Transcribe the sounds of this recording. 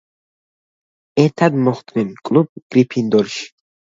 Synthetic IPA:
ɛɾt̪ʰad̪mɔχt̪ʼninkʼlˠub̚ɡ̥ɾipʰind̪ɔɾʃi̥

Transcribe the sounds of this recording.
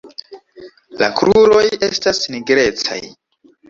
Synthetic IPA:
la̰kɾuɾo̞je̞stasniɡɾe̞t͡sa̰j

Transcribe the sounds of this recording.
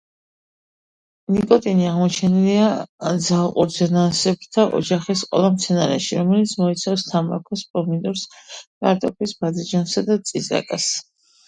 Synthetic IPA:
nikʼɔt̪ʼiniaʁmɔt͡ʃʰɛniliad̪zalˠqʼṵɾzɛnasɛb̚t̪ʰaʔɔ̰d͡ʒaχisqʼɔ̰lˠamt̪sʰɛnaɾɛʃiɾɔmɛlit̪sʰmɔit̪sʰafst̪ʰama̰kʰɔspʼɔmind̪ɔɾskʼa̰ɾt̪ʼɔpʰisbad̪id͡ʒansad̪at̪sʼiza̰kʼas

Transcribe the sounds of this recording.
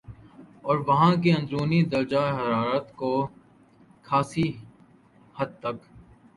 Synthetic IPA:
ɔːɾʋɐɦãkiə̃nd̪ɾuːnid̪əld͡ʒaːɦɐɾaːɾət̪koː | kʰaːsi | hɐd̪̚t̪ɐk

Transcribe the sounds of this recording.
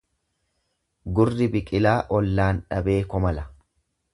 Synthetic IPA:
ɡʊrːɪbɪkʼɪlaːʔɔlːaːnᶑɐbe̞ːkɔmɐlɐ

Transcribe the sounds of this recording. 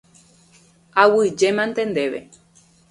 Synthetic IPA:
awɨd͡ʒemãnt̪end̪eʋḛ

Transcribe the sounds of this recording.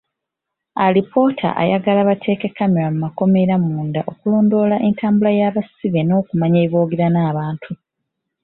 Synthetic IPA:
alipʰo̞ːtʰa̰ʔa̰jaɡalaβatʰe̞ːke̞kːame̞ɾamumako̞me̞ɾamuːndaʔokulo̞ːndo̞ːlaʔe̞ntʰaːmbulajaːβasiβe̞no̞ːkumaɲeβo̞ːɡiɾanaːβaːntʰu

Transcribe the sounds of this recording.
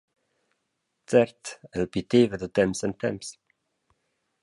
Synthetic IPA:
t͡sɛɾt̪ɛlpit̪evəd̪ət̪ɛmsɛnt̪ɛms

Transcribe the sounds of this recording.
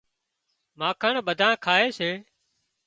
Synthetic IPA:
maːkʰəɳɓəd̪ʱãːkʰaːɦeːseː

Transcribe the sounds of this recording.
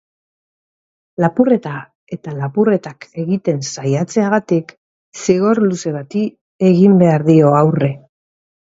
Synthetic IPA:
lapure̞t̪a | e̞t̪alapure̞t̪ake̞ɣit̪e̞nsajat͡se̞aɣ̞at̪ik | siɣo̞ɾluse̞βat̪i | e̞ɣimbe̞aɾðio̞awre̞

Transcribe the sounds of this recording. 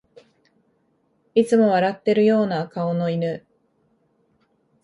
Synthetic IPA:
it͡sɨmo̞βaɾat̪ːe̞ɾɯ̟jo̞ːnakao̞no̞inɯ̟

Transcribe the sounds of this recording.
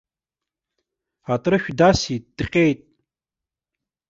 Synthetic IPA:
atʼɾɨʃᶣdasitʼd̥qʲʼejtʼ

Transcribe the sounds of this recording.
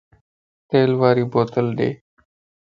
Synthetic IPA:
t̪eːlʋaːɾiːboːt̪əlɗḛː

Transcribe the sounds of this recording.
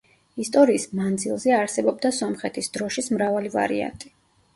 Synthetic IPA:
ist̪ʼɔɾiːsmand̪zilˠzɛaɾsɛbɔb̚d̪asɔmχɛt̪ʰisd̪̥ɾɔʃismɾavaliva̰ɾḭa̰nt̪ʼi̥

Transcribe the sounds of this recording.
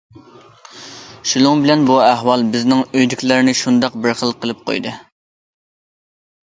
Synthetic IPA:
ʃulʊŋbɪlɛnbuɛɦwɑlˠbɪznɪŋøjd̪ykʲlɪɾɪnɪʃund̪ɑq̚bɪɾχəlˠqʰəlˠɨp̚qʰo̰jd̪ɨ

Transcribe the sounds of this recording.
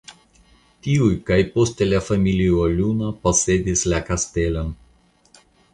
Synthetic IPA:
t̪iujkajpost̪elafamiliolʲunaposed̪islakast̪elon

